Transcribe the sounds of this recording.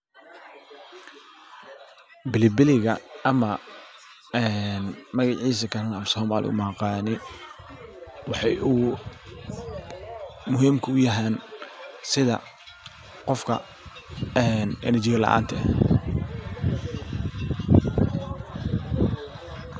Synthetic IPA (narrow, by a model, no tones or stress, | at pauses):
bɪlɪbɪlɪɣɐɐmɐ | ɛnmɐɣɑʕiːs̬ɐkʰɐɾɐnɐmsɔːmaːlʔɪ̰ʊ̰maːqɑːnɪ | wɑħɑju | mʊɦiːmkʰʊʊjɐɦaːn | sɪðɐ̰ | qɔfkʰɐ̰ | ɛnɛ̰nɐt͡ʃɪɣɐlɐ̰ʔa̰ːnt̪ʰɐ